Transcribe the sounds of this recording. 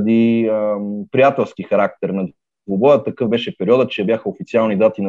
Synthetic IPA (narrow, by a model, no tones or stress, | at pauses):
d̪i | pɾijat̪ɛlˠskixɐɾak̚t̪ɛɾnɐ | d̪vobɔjət̪ːɐkɤvbɛʃɛpɛɾiɔd̪ət͡ʃɛbʲjaxəofit̪sialˠnid̪at̪in